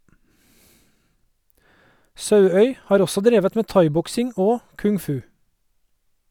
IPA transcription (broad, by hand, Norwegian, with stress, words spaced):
ˈsɑʉœʏ ˈhɑːɾ ˈɔsɔ ˈdɾeːʋət ˈmeː ˈtɑɪˌbɔksɪŋ ˈoː kʉŋˈfʉː